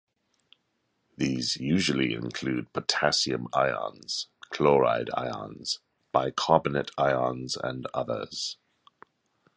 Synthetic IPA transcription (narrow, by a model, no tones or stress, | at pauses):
ðiːzjʉːʒəliɪ̰̃nkʰl̥ʉːd̚pʰətʰasiə̰̃maɪɑ̰̃nz̥kʰl̥ɔːɹa̰ɪda̰ɪɑ̰̃nz̥ | b̥aɪkʰɑːbənətʰaɪɑ̃nzə̰̃nʌ̰ðə̰z̥